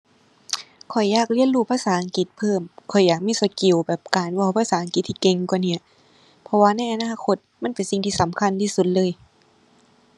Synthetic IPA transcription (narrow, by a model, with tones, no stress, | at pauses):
kʰɔ˨˩jːaː˧˩k̚li˧˥˨ənɾuː˧˩pʰaː˧˨saː˨˩˦ʔa˨˦ŋki˨˩t̪̚pʰɤː˧˥˩mkʰɔ˨˩jːaː˨˩k̚miː˧˥˨suː˨˧˦t̪̚ki˨˩˨wbɛː˨˩p̚kaː˨˩nwa˧˩wpʰaː˧saː˨˦ʔa˨˧ŋki˨˩t̪ʰːiː˧˩ke˧ŋkwaː˨ni˧˩ɐ | pʰɔ˧waː˧na˧˩jʔa˧naː˧˨kʰo˧˥t̪̚ma˧˥˨npe˨nsi˨˩ŋt̪ʰiː˧sa˨˦mkʰa˧˥˨nt̪ʰiː˧˥˩su˨˩t̪̚lɤː˧˨j